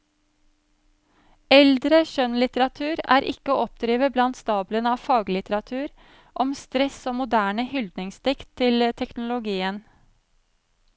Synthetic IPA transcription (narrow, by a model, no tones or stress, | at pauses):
ɛld̪ɾəʃœnlɪt̪əɾɑt̪ʰʉːɾæ̰ːɾʔɪ̰kəoːɔpd̪ɾiːʋəblɑnt̪st̪ɑːblənɑːʋfɑːɡlɪt̪əɾɑt̪ʰʉːɾ | ʔɔmst̪ɾɛsoːmʊd̪æːɳəhʏld̪nɪŋst̪ɪkt̪ʰːɪlət̪ʰɛknʊlʊɡiːən